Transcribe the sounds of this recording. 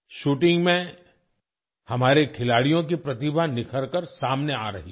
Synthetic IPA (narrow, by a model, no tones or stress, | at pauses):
ʃuːʈɪ̃ŋɡmẽ | hɐmaːɾekʰɪlaːɽijõk̬ipɾɐt̪ɪbʱanɪkʰəɾkəɾsaːmnea̰ːɾɐ̰ɦi